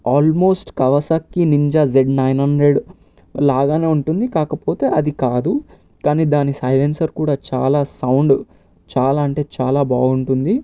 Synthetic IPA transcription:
aːlmo̞ːsʈkɐʋɐsaːkːiniɲd͡ʒaːd͡ʒeɖnɐjnɦɐɳɖɾeɖ | laːɡaːne̞ːuɳʈund̪ikaːkɐpo̞ːt̪e̞ːʔɐd̪ikaːd̪u | kaːniːd̪aːnisɐjlensɐɾkuːɽaːt͡ʃa̰ːlaːsɐwɳɖ | t͡ʃaːlaːɐɳʈe̞ːt͡ʃaːlaːba̰ːɡuɳʈund̪i

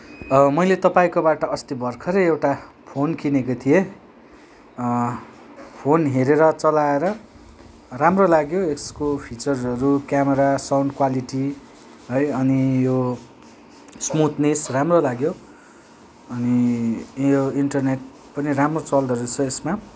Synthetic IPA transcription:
mʌjlet̪ʌpaĩkobaʈʌʌst̪ibʱʌrkʰʌɾʌjewʈa | pʰonkʰinekot̪ʰije | pʰonɦeɾeɾʌt͡sʌlaeɾʌ | ramrolaɡjoekskopʰit͡sʌrʌɾukjameɾasawɳɖkwaliʈi | ɦʌjʌnijo | smut̪nisramrolaɡjo | ʌni | joiɳʈʌrneʈ̚ | pʌniɾamrot͡sʌld̪ʱʌɾut͡sʰʌesma

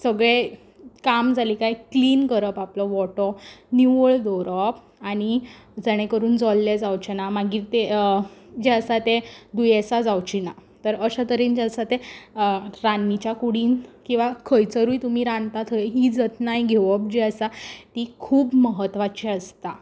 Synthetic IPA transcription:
səɡɭe | kamd͡zalikajkliːnkəɾəpaplɔʋɔʈɔniʋəɭd̪ɔɾəp | aɽ̃i | d͡zəɽ̃ekəɾuːnd͡zɔlːed͡zawt͡ɕenamaɡiːɾt̪e | d͡ʑeəsat̪ed̪ujesad͡zawt͡ɕinat̪əɾəɕat̪əɾiːnd͡ʑasat̪e | ɾanːit͡ɕjakuɽiːnkĩw̃ʋakʰəjt͡səɾujt̪um̤iːɾãnt̪at̪ʰəeɦid͡zət̪najɡʱeʋəp̚d͡ʑeəsat̪ikʰuːbməɦət̪ʋat͡ɕiəst̪a

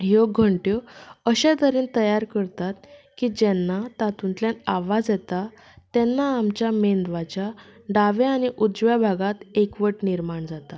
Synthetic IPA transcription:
joɡʱəɳʈjoəɕẽd̪əɾiːnt̪əjaɾkəɾt̪at̪ | kiːd͡ʑɛnːat̪at̪unt̪ljanaʋad͡zjɛt̪a | t̪ɛnːaːmt͡ɕjamend̪ʋat͡ɕjaɖaʋeaniʔud͡zʋjabʱaɡat̪ekʋəʈniɾmaɳd͡zat̪a

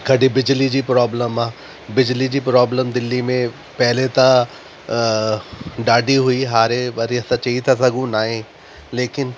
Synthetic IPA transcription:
ɡʱɐɖibɪd͡ʑlid͡ʑiːpɾɔːbləmaː | bɪd͡ʑlid͡ʑiːpɾɔːbləmd̪ɪlːimẽ | pɐɦɪlet̪ã | ɖaːɖʱiɦuiɦaːɾeʋɐɾiɐsãt͡ɕɐit̪ʰasɐɡʱũnaːɦẽ | leːkɪn

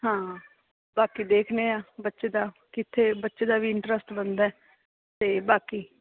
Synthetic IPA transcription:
ɦãː | baːkiːd̪eːkʰneːaːbətːʃeːd̪aːkɪt̪ʰːeːbətːʃeːd̪aːbiːɪɳʈɾəsʈbənd̪aːɛː | t̪eːbaːkiː

